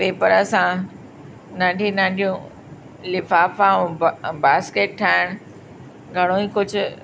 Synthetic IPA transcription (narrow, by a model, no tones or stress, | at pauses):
peːpəɾəsã | nãːɳɖʱĩnãːɳɖʱijũ | lɪfaːfãbaːskeːʈ̚ʈʰaːɪɽ̃ʊ | ɡʱɐɽ̃oikʊd͡ʑʱʊ